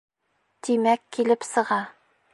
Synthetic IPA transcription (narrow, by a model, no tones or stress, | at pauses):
t̪imækːilɘpsɤ̆ʁɑ